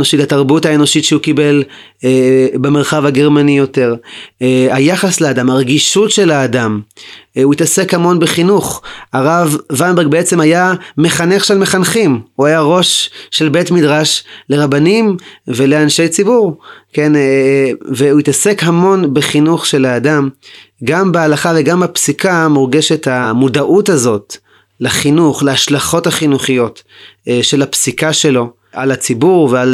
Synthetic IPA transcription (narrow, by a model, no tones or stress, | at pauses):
noʃithataʁbuthaeno̞ʃitʃeukibe̞l | bemelχavhaɡe̞ʁmanijo̞te̞ʁ | hajaχasleadamhaʁeɡiʃutʃe̞laːdam | uitase̞khamo̞nbeχinuχaʁavːanbeʁɡ̚beet͡se̞majame̞χaneχʃelme̞χanχimuajaʁo̞ʃːe̞lbe̞tmidʁaʃle̞ʁabanimve̞le̞anʃe̞jt͡sibuʁke̞n | veuit̪asekɦamo̞nbeχinuχʃe̞laːdamɡambealaχaveɡambapsikamuʁɡe̞ʃe̞thamudaʔutazo̞t | leχinuχleaʃlaχo̞thaχinuχijo̞t | ʃe̞lapsikaʃe̞lo̞ | ʔalat͡sibuʁveal